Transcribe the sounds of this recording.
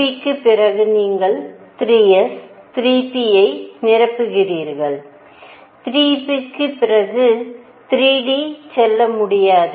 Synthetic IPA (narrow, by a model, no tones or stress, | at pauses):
ikːɯpːɪrɐɣɯniːŋɡɐɭt̪ɾiːɛs | t̪ɪɾiːpːijɐɪnɪrɐpːɯɣɪriːɾɣɐɭ | t̪ɪɾiːpikːɯpːɪrɐɣɯ | t̪ɪɾiːɽisɛlːɐmʊɽɪjaːðɯ